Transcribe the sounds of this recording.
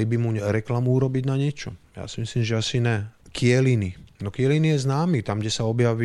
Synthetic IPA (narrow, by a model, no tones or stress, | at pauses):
ibimuɲɾɛklamuuɾɔbiɟnaɲɪɛt͡ʃɔ̰ja̰ːsimisliːmʒɛasinɛkɪɛlininɔkɪɛlinijɛznaːmit̪amɡɟɛsaɔbjaʋi